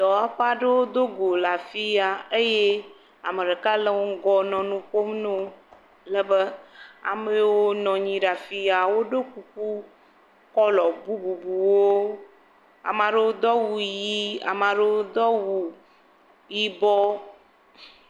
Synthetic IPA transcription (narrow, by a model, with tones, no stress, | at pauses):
d̪ɔ˨a˦ɸa˦ɖe˦wo˦d̪o˦ɡo˨la˨fi˦a˨e˦je˦ | a˨me˨ɖe˨ka˦lə˦wo˦ŋ˦ɡɔ˦nɔ̃˨nũ˦ɸo˦mno˦ | lə˦bə˦a̰˨me˦wo˦nɔ̃˨ɲĩ˨ɖa˨fi˦a˨wo˦ɖe˦ku˦k̚u˦ | kɔ˦lɔ˨bu˦bu˨bu˨wo˦ | a̰˨mã˨ɖe˦wo˦d̪ɔ˦wu˨ji˦a̰˨mã˨ɖe˦wo˦d̪ɔ˦wu˨ | ji˦bɔ˦